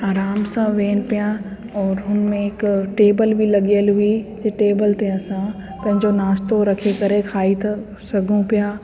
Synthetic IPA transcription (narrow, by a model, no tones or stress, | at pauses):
aːɾaːmsãːʋeːnpja | ɔːɾɦʊnmẽekʈeːbəlbʱilɐɡjəlɦʊid͡ʒeʈeːbəlt̪ẽɐsãː | pɐ̃ɦɪ̃ɲd͡ʒonaːst̪oɾɐkʰekɐɾẽkʰaːit̪ | sɐɡʱũpjaː